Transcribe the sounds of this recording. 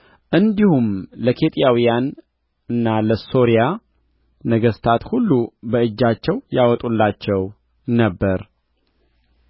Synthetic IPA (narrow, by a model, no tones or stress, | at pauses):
ʔɨnd̪ihumləkʰe̞t̪ʼjawijan | ɨnːaləso̞ɾija | nəɡəst̪ʰat̪hulːubəɨd͡ʒːat͡ʃːɛwjawɔt̪ʼulːat͡ʃːɛw | nəbːəɾ